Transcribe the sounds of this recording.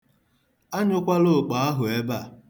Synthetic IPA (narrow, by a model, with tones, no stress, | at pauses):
a˦ɲʊ˦kʷa˦lo˦˨k͡pa˨a˦ɦʊ˨e˦ba˦˨